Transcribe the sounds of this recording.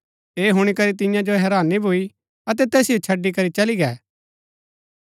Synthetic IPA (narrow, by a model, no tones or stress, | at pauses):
eːɦʊɽ̃ikɐɾit̪ɪ̃jãd͡ʒoɦɛːɾaːnibʱʊi | ɐt̪̬ɛt̪ɛːsijot͡ʃʰɐɖːik̬ɐɾit͡ʃɐliɡɛː